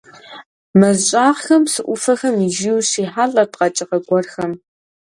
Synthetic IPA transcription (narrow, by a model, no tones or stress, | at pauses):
mɐzɕʼaːʁxɐmsɨʔʷʊfɐxɐmiʒiwɕiːħaːɮɐdqɐt͡ʃʼɪqɐɡʷɔrxɐm